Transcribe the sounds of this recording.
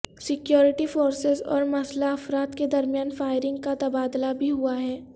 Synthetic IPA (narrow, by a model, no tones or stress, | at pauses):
sɪkjɔːɾɪʈifoːɾsɪzɔ̰ːɾmɐslaɐfɾaːt̪ked̪ɐɾmijaːnfaːɪɾɪ̃ŋɡ̚kat̪ɐbaːd̪labʱiɦuaɦɛː